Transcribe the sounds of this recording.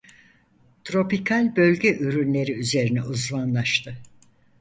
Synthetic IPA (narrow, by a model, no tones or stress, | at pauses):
t̪ʰɾo̞pikʰalʲbølʲɟɛʔyɾynlʲe̞ɾiyze̞ɾinɛʔuzmanlˠaʃt̪ʰɯ